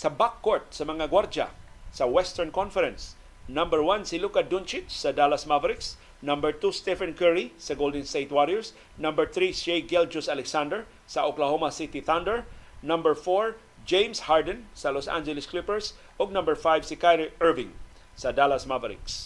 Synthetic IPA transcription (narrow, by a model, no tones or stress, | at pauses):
sɐbakːɔɹt̪̚sɐmɐŋaɡwaɾd͡ʒa̰ | sawɛst̪ɛɹnkɔnfɛɾɛ̃ns | nãmbəɹwansilukad̪unt͡ʃɪt̪sad̪alasmavaɾɪks | nãmbəɹt̪ust̪ɛfankɛɹisaɡold̪ɛ̃nst̪ejt̪waɾiɛɹs | nãmbəɹθɾisɛjɡɛld͡ʒʊsalɛksãnd̪əɹ | saʔoklaɦomasit̪iθãnd̪əɹnãmbəɹfɔɹ | d͡ʒẽjmshaɹd̪ɛnsalosã̰nd͡ʒɛlɪsklɪpɛɹs | ɔɡ̚nãmbəɹfajvsikajɾɛɹvɪ̃ŋ | sad̪alasmavaɾɪ̰ks